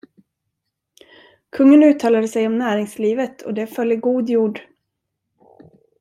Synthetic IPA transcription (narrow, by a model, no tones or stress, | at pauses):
kʰɵŋːənʉ̟ːt̪ʰɑːlad̪əsɛjɔmnæːɾɪŋsliːvət̪ʰɔ̰d̪ɛfœljəɡuːd̪juːɖ